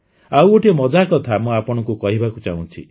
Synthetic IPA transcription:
awoʈimɔd͡ʒakɔt̪ʰamũapɔɽ̃ɔ̃ŋkukɔɦibakut͡ʃa̰ũt͡ʃʰḭ

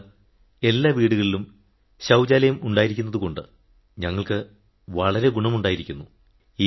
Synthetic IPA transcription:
e̞lːaːʋiːɽuɣɐɭilum | ɕɐwd͡ʑaːlɐjɐmuɳɖaːjiɾikʲːunːɐðuko̞ɳɖɨ̰ | ɲɐŋːɐɭkɨ | ʋɐɭɐɾe̞ɡuɳɐmuɳɖaːjiɾikʲːunːu | i

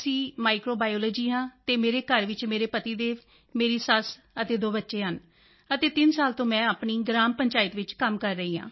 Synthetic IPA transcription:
sĩːmaːɪkɾoːbaːjoːləːd͡ʒiːɦãːt̪eːmeːɾeːkəɾʋɪt͡ʃmeːɾeːpət̪iːd̪eːʋ | meːɾiːsəs | ət̪eːd̪oːbətːʃeːɦən | ət̪eːt̪ɪnsaːlt̪õːmɛ̃ːaːpɳiːɡɾaːmpəɲt͡ʃaːɪt̪ʋɪt͡ʃkəmkəɾːəɦiːã̰ː

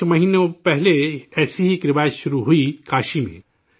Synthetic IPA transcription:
mɐɦiːnepɛɦleɛːsiɦikɾɪʋaːɪsʃʊɾuɦuikaːʃimḛ̃

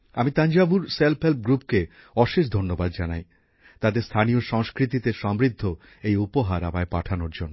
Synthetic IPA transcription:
amit̪aɲd͡ʑabuɾselpʰɦelp̚ɡɾupke | ɔʃeʃ̬d̪ʱonːobad̪d͡ʑanaj | t̪ad̪eɾst̪ʰanijoʃɔŋskɾit̪it̪eʃɔmɾid̪ʱːo | ejupoɦaɾabaepaʈʰanoɾd͡ʑonːo

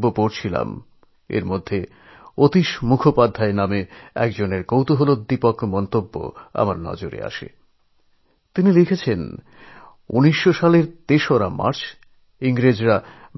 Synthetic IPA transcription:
bːopoɾt͡ɕʰila̰m | ḛɾmod̪ʱːe | ot̪iʃmukʰopad̪ʱːaenameɛ̰kd͡ʑoneɾkowt̪oɦolod̪ipokmɔnt̪obːo̰a̰maɾnɔ̰d͡ʑoɾḛa̰ʃḛ | t̪inilikʰet͡ɕʰen | uniʃːoʃaleɾt̪eʃoɾama̰ɾt͡ɕʰ | iŋɾed͡ʑɾa

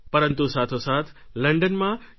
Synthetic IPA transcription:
pɐɾə̃nt̪usaːt̪ʰosaːt̪ʰlɐ̃ɳɖənmã

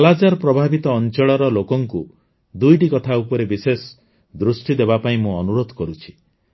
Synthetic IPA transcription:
lad͡ʒaɾpɾɔbʱabit̪ɔːnt͡ʃɔɭɔɾɔlokɔŋku | d̪ujʈikɔt̪ʰaupɔɾebises | d̪ɾusʈid̪ebapaĩmũɔnuɾod̪ʱkɔɾut͡ʃʰi̥

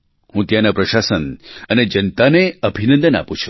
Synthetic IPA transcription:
hũt̪janapɾəʃasənəned͡ʒənt̪aneəbʱinə̃nd̪əna̰pũt͡ʃʰu̥

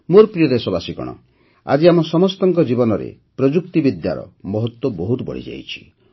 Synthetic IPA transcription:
moɾpɾijɔɾesɔbasikɔ̰ɽ̃ɔ̰ | a̰d͡ʒiamɔsɔmɔst̪ɔŋkɔd͡ʒibɔnɔɾḛ | pɾɔd͡ʒukt̪ibid̪ja̰ɾɔ̰mɔɦɔt̪wɔbɔɦut̪bɔ̰ɽ̤ḭd͡ʒa̰jt͡ʃʰi̥

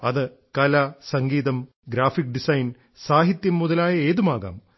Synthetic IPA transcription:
ɐðɨ | kɐlasɐŋɡiːðɐm | ɡɾaːfik̚ːɖisɐjn | saːɦit̪jɐmːuðɐlaːjɐe̞ːðumaːɣa̰ːm

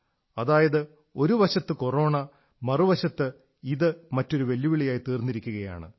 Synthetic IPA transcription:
ɐðaːjɐðɨ | o̞ɾuʋɐɕɐt̪ːɨkoro̞ːɳɐ | mɐruʋɐɕɐt̪ːɨ | iðɨmɐtːo̞ɾuʋe̞lːuʋiɭijaːjit̪iːrnːiɾikʲːuɣɐja̰ːɳɨ̰

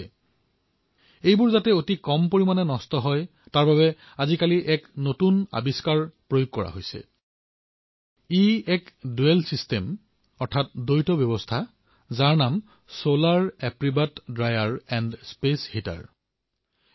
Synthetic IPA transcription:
ejbʊɹzatɛotikɔmpoɹimanɛnɔstɔɦɔj | taɹbaβɛ | azikaliʔɛknotuna̰biskaɹpɹojoɡ̚kːɔɹa̰ɦojsɛ̰ | iɛkduelsistem | ɔɹtʰat̚dojtɔbjɔbɔstʰa | zaɹnam | solaɹɛpɹibatdɹajaɹɛndspeshita̰ɹ

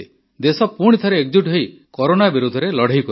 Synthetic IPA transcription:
e | d̪esɔpuɽ̃it̪ʰɔɾeek̚d͡ʒuʈɦej | kɔɾonabiɾud̪ʱɔɾelɔɽ̤ʱejk

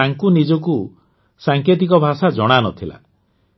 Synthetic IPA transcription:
aŋkunid͡ʒɔku | saŋket̪̬ikɔbʱasad͡ʒɔɽ̃anɔt̪ʰila̰

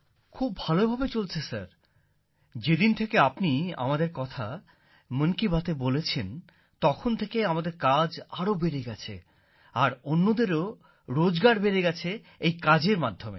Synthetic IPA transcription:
kʰubːʱalobʱabet͡ɕolt͡ɕʰesa̰ɾ | d͡ʑed̪int̪ʰekeapnia̰mad̪eɾkɔt̪ʰa | məŋkibat̪ebolet͡ɕʰen | t̪ɔkʰont̪ʰekeamad̪eɾkad͡ʑaɾobeɾeɡɛt͡ɕʰḛ | aɾonːod̪eɾo | ɾod͡ʑɡaɾbeɾeɡɛt͡ɕʰe | ejkad͡ʑeɾmad̪ʱːomḛ

